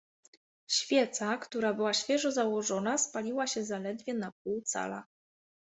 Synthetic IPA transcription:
ɕfʲjɛt̪sakt̪uɾabɘwaɕfʲjɛʐɔzawɔʐɔnaspalʲiwaɕɛzalɛd̪vʲjɛnap̚uwt̪sa̰la̰

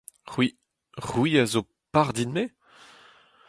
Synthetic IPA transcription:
ʁwi | ʁwiazo | paʁd̪inme

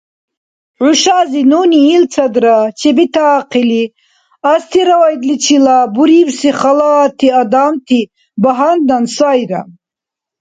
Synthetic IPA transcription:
ʕuʃazinuniːlt͡sʰad̪ɾat͡ʃʰɛbit̪ʰaːqʰili | ast̪ʰiɾawajd̪lit͡ʃʰilabuɾiwsiχalat̪ʰiad̪amt̪ʰi | baɦand̪ansajɾa̰

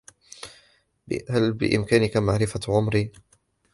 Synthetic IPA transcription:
bhalbɪ̰ʔɪ̰mkaːnɪkamaʕɾɪfaʕʊmɾiː

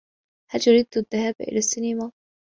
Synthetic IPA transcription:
haljʊɾid̪ðːahaːbʔɪ̰lasːɪnima

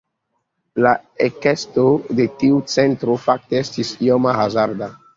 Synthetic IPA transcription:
laekestodetiut͡sentɾofak̚teestisiomaɦazaɾda

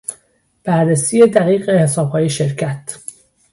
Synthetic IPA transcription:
b̥æɾːesiːje̞d̪æɣiːɣehesɒːbhɒːje̞ʃeɾcʰæt̪

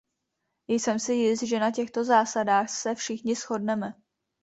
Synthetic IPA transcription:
ɪjsɛmsɪjɪst̪̚ʒɛnacɛxt̪o̞zaːsadaːxsɛfʃɪxɲɪsxo̞dnɛmɛ

